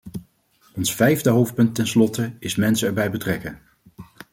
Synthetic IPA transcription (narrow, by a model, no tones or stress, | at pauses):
ɔnsfɛjvdəɦowft̚pɵntːɛnslɔtəɪsmɛnsəɛɹbɛjbətrɛkən